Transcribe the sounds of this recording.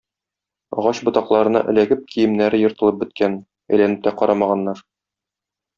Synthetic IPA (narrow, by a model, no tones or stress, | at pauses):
ɒ̰ʁɑɕbŏt̪ɑqlˠɑɾɤ̆nɑ̰ʔɘ̆læɡɘp̚kʰijɘ̆mnæɾɘjŏɾt̪ɤ̆lˠɤp̚bɘ̆t̪̚kæn | æ̰̆jlænɘp̚t̪æqɒɾɑmɑʁɑnːɑɾ